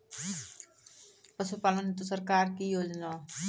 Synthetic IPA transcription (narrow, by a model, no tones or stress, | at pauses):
pəsupaːlənɦet̪osəɾkaːɾkijoːd͡ʒnaː